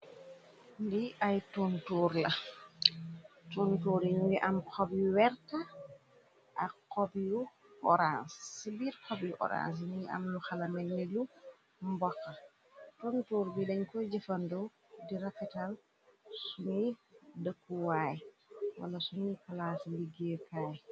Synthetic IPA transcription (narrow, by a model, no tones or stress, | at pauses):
ndiʔajtuntuɾlɐ | tuntuːɾiɲuwiʔɐmkʰɔbjuwɛɾta | ʔaqɔbju | ʔɔɾansbiːɾkʰɔbjuʔɔ̰ɾa̰ns̬nuʔɐ̰mluxalɐmɛnːilu | mbɔkːa | tuntuːɾbidɛɲkɔd͡ʒɛfɐndɔw | diɾakːɛtal | sunidəkːuwaːj | wɐ̰lɐsunikalasliɡekaːj